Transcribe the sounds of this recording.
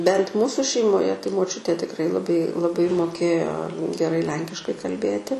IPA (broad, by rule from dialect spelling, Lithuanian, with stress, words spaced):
bʲɛnt ˈmuːsʊ ʃʲɛɪmoːˈjɛ tɐɪ moːˈt͡ʃʲʊtʲeː tʲɪkˈrɐɪ lˠɐˈbɐɪ lˠɐˈbɐɪ moːˈkʲeːjoː ɡʲɛˈrɐɪ ˈlʲɛŋʲkʲɪʃkɐɪ kɐlʲˈbʲeːtʲɪ